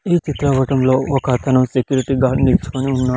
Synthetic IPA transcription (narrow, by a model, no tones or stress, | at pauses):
iːt͡ʃit̪ɾɐʋɐʈɐmlo̞ːɔkɐt̪ʰɐnusekjuːɾiʈiɡaːniɾt͡ʃu̥koniunːaː